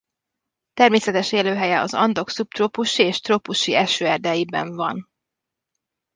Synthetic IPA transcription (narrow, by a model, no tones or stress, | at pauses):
t̪ɛrmeːsɛt̪ɛʃeːløːɦɛjɛɒ̰zɒ̰nd̪o̞ksup̚t̪ropuʃieːʃt̪ropuʃiɛʃøːɛrd̪ɛjibɛ̰ɱvɒn